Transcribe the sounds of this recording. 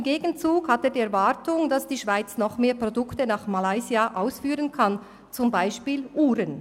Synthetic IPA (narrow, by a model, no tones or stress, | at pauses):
ɪmɡeːɡən̩t͡suːkhateːɐdiːɛɐɾvaɾtʊŋd̥asd̥iːʃv̥aɪt͡snɔχmeːpʁ̥odʊktənaːχmalaɪziaʔaʊsfyːʁənkʰan | t͡sʊmbaɪʃpiːlʔuːɾən